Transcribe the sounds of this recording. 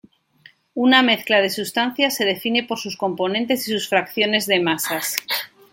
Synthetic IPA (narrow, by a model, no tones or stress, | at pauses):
uname̞θklað̞e̞sust̪an̟θjase̞ðe̞fine̞po̞ɾsusko̞mpo̞nẽ̞nt̪e̞sisusfɾakθjo̞ne̞zðe̞masas